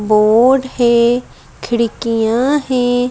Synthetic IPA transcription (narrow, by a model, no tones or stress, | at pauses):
boːɖhɛ | kʰɪɽɪkijãɦɛ̃ː